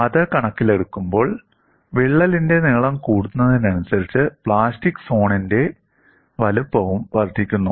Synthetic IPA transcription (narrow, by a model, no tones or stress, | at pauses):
ɐðɨkɐɳɐkːile̞ɽukːumbo̞ːɭ | ʋiɭːɐlinde̞neːɭɐmkuːɽunːɐðinɐnusɐɾit͡ɕːɨpɭaːstikːso̞ːɳinde̞ | ʋɐlupːɐʋumʋɐrd̪ʱikʲːunːu